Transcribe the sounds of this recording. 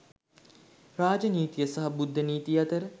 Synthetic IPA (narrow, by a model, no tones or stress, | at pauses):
raːd͡ʒəniːt̪ijəsaɦɐbud̪ʱːəniːt̪ijɐt̪əɾə